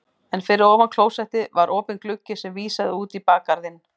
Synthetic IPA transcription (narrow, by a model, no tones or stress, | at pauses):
ɛnfɪɾɪɾɔːvankʰloːwsɛht̪ɪvaɾʔoːpɪnklʏcːɪ̥sɛmviːsaðɪuːt̪ipaːkaɾðɪn